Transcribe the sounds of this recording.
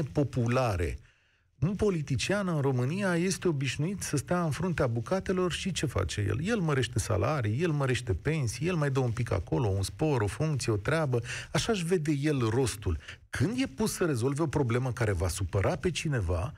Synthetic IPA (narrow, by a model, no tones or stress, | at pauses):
epo̞pulaɾe̞̰ | ɨnpo̞lit̪it͡ʃianəɨnro̞mɨnijaje̞st̪e̞o̞biʃnuit̪səst̪aɨnfɾunt̪eabukat̪e̞lo̞rʃit͡ʃe̞fa̰t͡ʃe̞jḛlje̞lməɾe̞ʃt̪e̞sa̰lʔaɾijje̞lməɾe̞ʃt̪e̞pe̞nsijje̞lmajd̪əumpika̰ko̞lo̞unspo̞ɾo̞fuŋk̚t̪sie̞o̞t̪ɾeabəaʃaʃve̞d̪e̞je̞lro̞st̪ul | kʰɨnd̪je̞pussəɾe̞zo̞lve̞o̞pɾo̞ble̞məkaɾe̞vasupəɾʔape̞t͡ʃine̞va